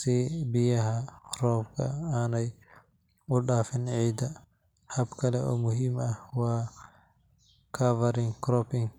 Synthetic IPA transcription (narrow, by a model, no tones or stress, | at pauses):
sɛbijaɦakɾɔːpka̰anaj | uɗaːfinʕiːd̪a | habkɐlɛɔ̰mʊhimawa | kʰavaɾiŋkɾɔpiŋ